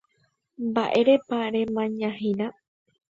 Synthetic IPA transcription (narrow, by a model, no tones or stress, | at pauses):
mbaʔe̞ɾe̞paɾẽ̞mãɲãɦĩnã